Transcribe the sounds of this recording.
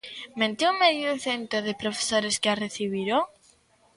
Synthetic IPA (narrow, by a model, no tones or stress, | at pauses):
mẽnt̪ewmeðjeθent̪ɾoðepɾofe̥soɾeskeareθiβiɾo